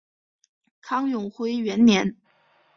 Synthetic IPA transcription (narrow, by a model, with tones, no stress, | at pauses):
kʰɑ˥ŋjʊ˨˩ŋxwe˥ɪɥɛ˧˥nnjɛ˧˥n